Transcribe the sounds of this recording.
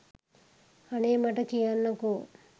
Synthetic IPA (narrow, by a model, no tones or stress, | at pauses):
ɐneːmɐʈɐkijanːɐku